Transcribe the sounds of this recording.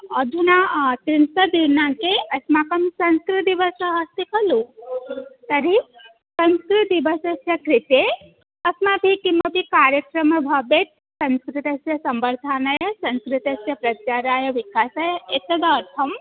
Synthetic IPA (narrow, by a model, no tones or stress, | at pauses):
ɐd̪ʱunat̪ɾint̪ɐd̪iɾnãkeɐsmakɐmsɐ̃nskɾut̪iʋɐsɐɦɐst̪ikɐlu | t̪ɐɾi | sɐ̃nskɾut̪ibɐsɐsjɐkɾit̪e | ɐsmabʱikimɐbʱikaːɾjəkɾɐmɐbʱɐbet̪̚ | sɐ̃nskɾit̪ɐsjɐsɐmbɐɾd̪ʱaːnajɐsɐ̃nskɾit̪ɐsjɐpɾɐt͡ʃaːɾaːjɐʋikaːsajɐet̪ɐd̪ɐːɾt̪ʰɐm